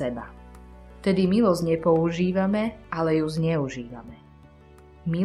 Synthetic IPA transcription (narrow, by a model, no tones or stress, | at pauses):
ɛba̰ | ft̪ɛd̪imilɔzɲɛpɔuʒiːʋamɛʔalɛjuzɲɛuʒiːʋa̰mɛ | mi